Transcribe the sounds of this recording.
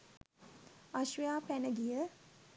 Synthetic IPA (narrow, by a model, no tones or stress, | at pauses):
aʃʋəjaːpænəɡijə